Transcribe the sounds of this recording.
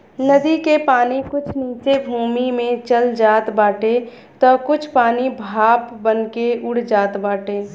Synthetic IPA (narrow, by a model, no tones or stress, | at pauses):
nəd̪ikepaːnikʊt͡ʃʰniːt͡ʃebʱuːmimẽt͡ʃəld͡ʒaːt̪baːʈe | t̪ɔkʊt͡ʃʰpaːnibʱaːpbənkeʊɽ̤d͡ʒaːt̪baːʈeː